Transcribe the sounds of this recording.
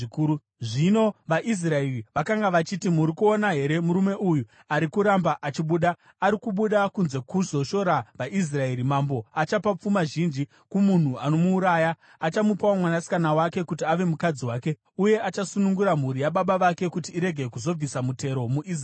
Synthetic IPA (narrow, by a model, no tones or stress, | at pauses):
ikuu | ʐino̞ʋaʔis̬raeriʋakaŋɡaʋat͡ʃitimuɾikuonaɦe̞ɾe̞muɾume̞ʔuju | aɾikuɾambaʔat͡ʃiɓuɗa | aɾikuɓuɗakunze̞kuzo̞ʃo̞ɾaʋaʔis̬raeɾimambo̞at͡ʃapap͡fumaʒind͡ʒi | kumun̤uano̞muːɾaːja | at͡ʃamupawamwanasi̥kanawake̞kutiaʋe̞mukad͡ziwaːke̞ | uje̞at͡ʃasunuŋɡuɾam̤uɾijaɓaɓaʋake̞kutiːɾe̞ɡʱe̞kuzo̞b͡visamute̞ɾo̞muʔis̬